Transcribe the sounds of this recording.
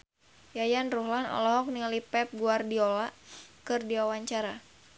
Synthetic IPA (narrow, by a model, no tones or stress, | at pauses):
jajanruhlanɔ̰lɔɦɔk̚nialipɛp̚ɡuardiɔlakɨrdiwawaɲt͡ʃaɾa